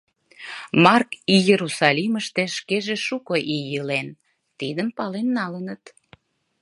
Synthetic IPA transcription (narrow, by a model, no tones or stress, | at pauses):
mɑrkijeɾusɑliməʃt̪eʃkeʒeʃukoʔijəlen | t̪id̪əmpɑlenːɑlənət̪